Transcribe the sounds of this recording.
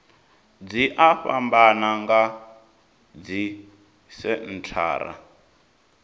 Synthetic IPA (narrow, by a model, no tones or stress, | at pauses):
d͡ziʔaɸambanaŋɡa | d͡zi | sɛn̩t͡ɬʰa̰ːɾa̰